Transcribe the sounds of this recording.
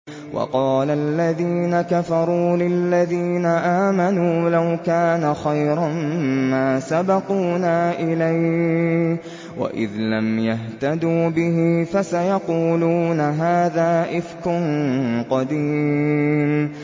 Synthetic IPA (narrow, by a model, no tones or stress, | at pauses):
wʔɑ̰qɑːlalːaðiːnakafɑɾˤuːlɪlːaðiːnaʔaːmanuːlawkaːnaxajɾˤɑmmaːsabɑquːnaːʔɪlaj | wa̰ʔɪ̰ðlamjaɦt̪ad̪uːbɪhɪfasajɑquːluːnaɦaːðaːʔɪfkʊnqɑd̪iːm